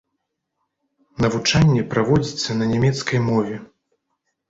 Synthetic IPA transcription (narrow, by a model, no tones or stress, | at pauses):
nɐvut͡ʂanʲːɛpɾavɔd͡zʲit̪sːɐnɐnʲamʲɛt̪skɐjmɔvʲɛ